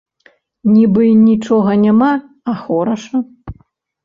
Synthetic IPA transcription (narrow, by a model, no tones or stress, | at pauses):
nʲibɨnʲit͡ʂɔɣɐnʲama | axɔɾɐʂɐ